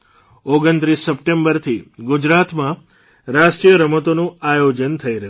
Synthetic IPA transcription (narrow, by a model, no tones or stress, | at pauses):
oɡənt̪ɾisːəp̚ʈẽmbəɾt̪ʰiɡud͡ʒɾat̪mã | ɾaʃʈɾijəɾəmət̪onũajod͡ʒənt̪ʰəiɾəɦ